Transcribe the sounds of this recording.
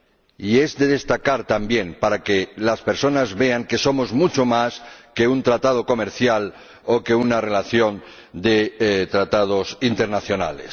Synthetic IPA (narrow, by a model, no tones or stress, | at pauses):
ie̞zd̪e̞ð̞e̞st̪akaɾt̪ambje̞mpaɾake̞laspe̞ɾso̞nazβe̞aŋke̞so̞mo̞zmut͡ʃo̞maske̞unt̪ɾat̪aðo̞ko̞meɾθjal | o̞ke̞unare̞laθjo̞n | d̪et̪ɾat̪að̞o̞sint̪e̞ɾnaθjo̞na̰lḛs